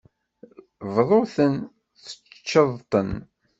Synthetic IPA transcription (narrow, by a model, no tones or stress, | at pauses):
vðˤoθən | θə̥t͡ʃt͡ʃːəðˤt̪ˤən